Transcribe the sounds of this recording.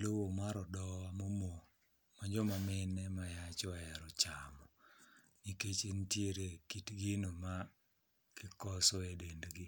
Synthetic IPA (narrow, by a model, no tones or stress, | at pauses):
lowomaɾɔdɔwamomo | maɲd͡ʒɔmamɪnɛmajat͡ʃɔaɛɾɔt͡ʃamɔ | ɲiket͡ʃentjeɾekitɡɪnoma | kɪkɔsɔedendɡɪ